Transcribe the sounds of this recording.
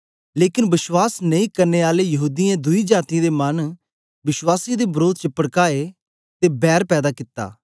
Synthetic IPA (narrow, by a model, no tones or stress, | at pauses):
leːkɪnbɪʃwaːsnəĩːkəɾneːaːlejɐɦuːd̪ijãd̪ʊid͡ʒaːt̪ĩd̪eːmən | bɪʃwaːsid̪eːbəɾoːd̪̚t͡ʃəpəɽkaːe | t̪eːbɛːɾpɛːd̪aːkɪt̪ːa̰ː